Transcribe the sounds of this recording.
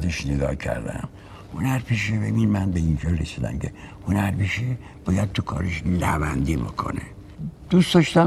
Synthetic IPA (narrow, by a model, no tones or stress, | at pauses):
d̪eʃneɡɒ̰ːcʰæ̰ɾd̪æ̰m | honæɾpʰiʃebebinmænbeinfelresiːd̪æ̰mcʰe̞honæɾpiʃe | b̥ɒːjæd̪̚t̪ʰukʰɒ̰ːɾeʃlæ̰bænd̪ibo̰kʰo̞̰nḛ | d̪̥usd̪ɒʃt̪æ